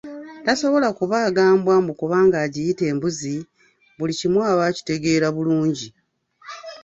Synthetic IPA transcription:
taso̞βo̞lakuβaːɡaːmbwambukuβaːŋɡaːɟijite̞ːmbuzi | βulicimwaːβaːci̥te̞ɡe̞ːɾaβuluːɲɟi

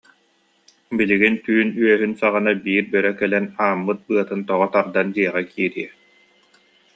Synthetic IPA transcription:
biliɡint̪yːnyœɦynsaʁanabiːɾbœɾɛkɛlɛnaːmːɯt̪̚bɯɐt̪ɯnt̪ɔʁɔt̪aɾd̪and̪iɛʁɛkʰiːɾiɛ

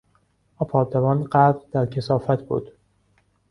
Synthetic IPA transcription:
ɒːpʰɒːɾd̪evɒːnɢæbɾd̪æɾcʰesɒːfæt̪ʰb̥ṵːd̪̥

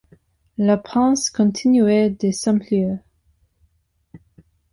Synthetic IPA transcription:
lapχɑ̃skɔ̃t̪ʰinyɛd̪esɑ̃mpljø

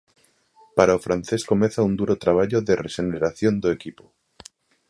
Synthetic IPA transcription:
paɾaofɾanθe̞sko̞meθaund̪uɾot̪ɾaβ̞aʎoðerḛʃeneɾaθjond̪oekipo

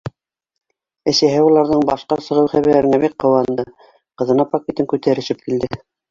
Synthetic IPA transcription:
ɘ̆sæɦɘulˠɑɾðɤɴbɑʃqɑsɤ̆ʁɤwχæβiɾæɾɘ̆ŋæbit̚qɤ̆wɑnd̪ɤ | qɤ̆ðɤ̆nɑpokʲet̪ɤŋkʉt̪æɾɘ̆ʃɘp̚kild̪ɘ

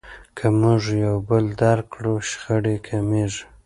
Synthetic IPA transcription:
kʰamʊʐjawbəld̪aɾkɽuʃxəɽekʰameʐ

